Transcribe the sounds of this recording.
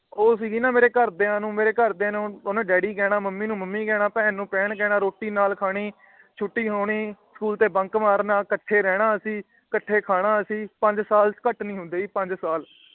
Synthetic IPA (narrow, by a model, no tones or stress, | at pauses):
oːsiːɡiːnãːmeːɾeːkəɾd̪eːãːnũːmeːɾeːkəɾd̪eːnõːonãːɖɛːɽiːɡɛːɽ̃aːməmːiːnũːməmːiːɡɛːɽ̃ãːpɛ̃ːnũːpɛːɳɡɛːɽaːɾoːʈːiːnaːlkʰaːɽ̃iː | t͡ʃʰʊʈːiːɦoːɳiːskuːlt̪eːbəŋkmaːɾnaːkəʈʰːeːɾɛːɽ̃ãːəsĩː | kəʈʰːeːkʰaːɽ̃ãːəsĩːpəɲd͡ʒsaːlkəʈnĩːɦʊ̃nd̪eːiːpəɲd͡ʒsaːl